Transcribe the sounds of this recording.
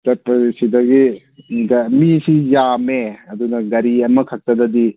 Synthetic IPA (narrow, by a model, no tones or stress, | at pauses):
tɐpɐsidɐɡi | ɡɐmisijameɐdunɐɡɐɾiɐmɐkʰɐk̚tɐdɐdi